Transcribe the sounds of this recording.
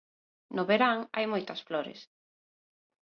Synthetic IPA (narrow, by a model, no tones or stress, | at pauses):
nʊβeɾaŋajmojt̪ɐsflɔɾɪ̰s